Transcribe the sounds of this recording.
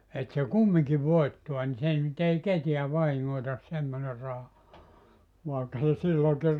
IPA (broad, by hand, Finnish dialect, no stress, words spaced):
et se kumːiŋki ʋoitːuɑ ni se nyt ei ketiæ ʋɑhiŋːoitɑs semːone rɑhɑ ʋɑˑekːɑ se silːoːŋki